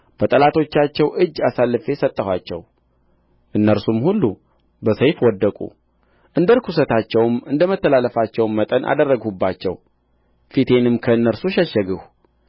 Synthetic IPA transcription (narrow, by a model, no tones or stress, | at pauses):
b̥ət̪ʼəlat̪ʰo̞t͡ʃːat͡ʃːɛwʔɨd͡ʒːasalːɨfe̞sət̪ʼːəhwat͡ʃːɛ̰w | ʔɨnːəɾsumhulːu | bəsəjfwɔd̪ːəkʼṵ | ʔɨnd̪əɾkʰusət̪ʰat͡ʃːɛwmɨnd̪əmət̪ːəlaləfat͡ʃːɛwmmːət̪ʼənʔa̰d̪ərːəɡhubːat͡ʃːɛ̰w | fit̪ʰe̞nɨmkʰəɨnːəɾsuʃɛʃːəɡɨh